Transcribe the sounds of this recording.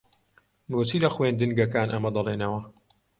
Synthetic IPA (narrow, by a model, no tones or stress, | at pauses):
mɾot͡siːlɐxwend̪ɨnɡɐkaːnʔɐmɐd̪ɐlˠeːnɐwɐ